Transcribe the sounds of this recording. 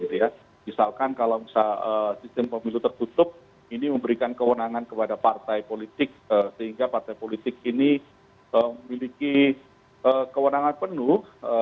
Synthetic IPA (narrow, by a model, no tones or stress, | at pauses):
ɡit̪uja | misalkankalawmisaəsist̪əmpəmilut̪ərt̪ut̪ʊp̚ | iniməmbəɾikankəwənaŋankəpadapart̪ajpolit̪ɪk̚əsəɦiŋɡapart̪ajpolit̪ɪk̚ini | əməmiliki | əkəwənaŋanpənʊhə